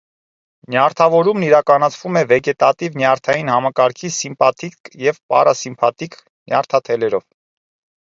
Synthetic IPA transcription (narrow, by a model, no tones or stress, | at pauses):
njɑɾt̪ʰɑvɔɾumniɾɑkɑnɑt͡sʰvumɛvɛɡɛt̪ɑt̪ivnjɑɾt̪ʰɑjinhɑmɑkɑɾkʰisimpɑt̪ʰikjɛvpɑ̰rɑsimpʰɑt̪ik | njɑɾt̪ʰɑt̪ʰɛlɛɾɔv